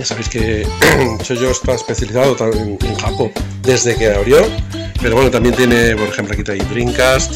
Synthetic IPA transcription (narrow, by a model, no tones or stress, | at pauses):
jasaβejske | t͡ʃoʝo̞est̪aespe̞θjaliθaðot̪aeneŋxapo | d̪e̞zðe̞keaβɾjo̞ | peɾowenot̪ambje̞nt̪jene̞po̞ɾexe̞mploakit̪eajt̪ɾiŋkas